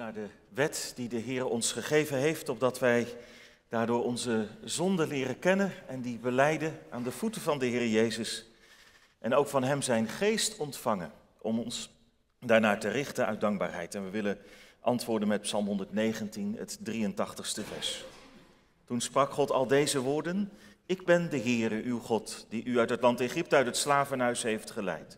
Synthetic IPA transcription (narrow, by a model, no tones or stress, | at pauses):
naːɹdə | ʋɛtdidəɦɪːɾəɔnsχəχejvənɦejftɔb̚dɑtʋɛj | d̥aːɹdʊːɹɔnzəzɔndəlɪːrəkɛnənɛndibəlɛjdəʔaːndəvutəvɑndəɦɪːrəjejzəs | ʔɛnowkfɑnɦɛmzɛjnχejstɔntfɑŋən | ʔɔmɔns | daːɹnaːtərɪχtənʔœ̰ɥ̚dɑŋɡ̚ba̰ːɹɦɛ̰jtɛnʋəʋɪləʔɑ̰ntʋʊːɹdənmɛt̚psɑlˠmɦɔndəɹtnejχəntinɦə̰tdrijəntɑχtəχstəvɛ̰ɹs | tunsprɑkχɔtɑ̰lˠdejzəʋʊːɹdən | ɪɡ̚bɛndəɦɪːrəʔywχɔtd̥iʔyœɥtɦətlɑntejχɪp̚təœɥtətslaːvənɦœɥsɦejftχəlɛ̰jt